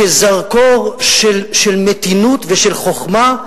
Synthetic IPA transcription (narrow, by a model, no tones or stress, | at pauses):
ezaʁkoʁʃelʃelmet̪inut̪veʃelχoχma